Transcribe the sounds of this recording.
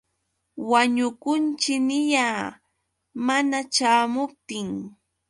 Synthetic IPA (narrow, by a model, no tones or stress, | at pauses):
waɲʊkʊnt͡ʃɪnɪjaː | manat͡ʃaːmʊp̚t̪ɪŋ